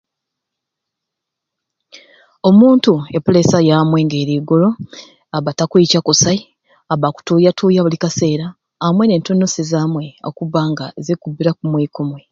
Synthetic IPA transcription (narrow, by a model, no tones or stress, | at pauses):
o̞muːntue̞polesajaːmwe̞ːŋɡe̞ːɾiːɡolo̞ | aβatakwecakosai | aβaku̥tuːjatʰuːjaβulikase̞ːɾaː | mwe̞ne̞ːntonːosezaːmwe̞o̰kuβaːŋɡaezekubiɾakumwekomwe